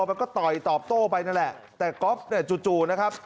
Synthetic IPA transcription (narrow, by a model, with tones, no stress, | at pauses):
pa˧jkɔː˥˩t̪ɔ˨˩jt̪ɔː˨˩p̚t̪oː˥˩pa˧jna˥˩nlɛ˨˩ʔ | t̪ɛː˨˩ko˦˥p̚ni˦˥˩ɐt͡ɕu˨˧t͡ɕuː˨˩na˦˥kʰa˦˥p̚